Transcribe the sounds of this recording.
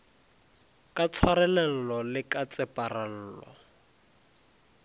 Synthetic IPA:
kʼat͡sʰwaɾɛlɛn̩lɔlɪkat͡sʼɛparan̩ːlɔ̰

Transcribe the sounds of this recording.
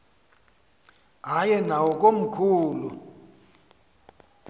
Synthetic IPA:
ajɛnawɔk̬ʼom̩kʰuːlu

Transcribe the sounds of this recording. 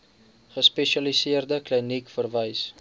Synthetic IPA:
χəspɛʃɐlisiərdəklinikfərvəjs

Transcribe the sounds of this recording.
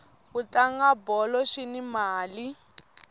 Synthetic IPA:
ɣutaŋɡabɔlɔʃinimaːli

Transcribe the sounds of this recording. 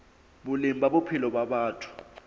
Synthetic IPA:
ɓulimbʱaɓopʰilɔɓaɓaːtʰu̥

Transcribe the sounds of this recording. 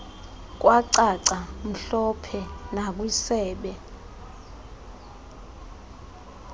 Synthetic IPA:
k̬ʼwaǀaǀam̩ɬɔpʰɛnak̬wisɛːɓɛ

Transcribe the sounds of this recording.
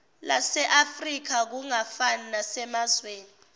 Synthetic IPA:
la̰sɛʔafrik̬ak̬uŋafananasɛmazweːni

